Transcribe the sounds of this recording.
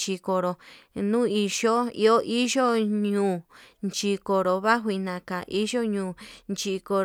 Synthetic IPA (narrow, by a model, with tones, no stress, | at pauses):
t͡ʃi˧ko˧ɾo˧nũː˦i˧ʒo˦ḭ˧o˦ʔi˦ʒo˦ɲũː˨nt͡ʃi˧ko˨ɾo˧βa˦ɦwi˧nã˧˨ka˨ʔi˦ʒo˦ɲũː˧˨nt͡ʃi˧ko˧